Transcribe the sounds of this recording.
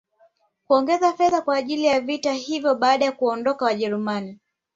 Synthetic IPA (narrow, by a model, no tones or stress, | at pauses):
kuɔŋɡɛzafɛðakwaːʄilijavitahivjɔɓaːɗajakuɔndɔkawaʄɛɾumani